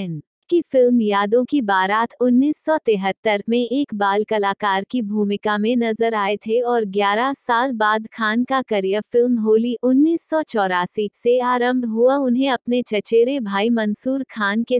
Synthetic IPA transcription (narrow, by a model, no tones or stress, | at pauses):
n | kifɪlmjaːd̪õkibaːɾaːt̪ʰʊnːiːsːɔt̪eːɦət̪ːəɾmẽʔeːkbaːlkɐlaːkaːɾkibʱuːmɪkamẽnɐzəɾaːet̪ʰeɔːɾɡjaːɾasaːlbaːd̪kʰaːnkakɐɾijəfɪlmɦoːliʔʊnːiːsːɔt͡ʃɔːɾaːsiːkseaːɾə̃mbʱɦuaʊnɦẽɐpnet͡ʃɐt͡ʃeːɾebʱaːimɐ̃nsuːɾkʰaːnke